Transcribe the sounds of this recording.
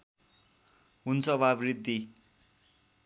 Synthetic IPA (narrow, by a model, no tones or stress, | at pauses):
ɦunt͡sʰʌβabrid̪ːi